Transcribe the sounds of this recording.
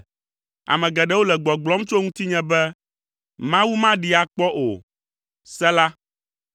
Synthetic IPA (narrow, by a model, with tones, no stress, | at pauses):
a̰˨mɛ̃˨ɡɛ˨ɖɛ˦wo˦lɛ˨ɡ͡bɔ˨ɡ͡blɔ˨˦mt͡ʃo˦ŋũ˦t̪i˦ɲɛ̃˦bɛ˦ | mã˦wu˦mã˦ɖi˨a˨k͡pɔ˦ʔo̰˨ | sɛ˦la˦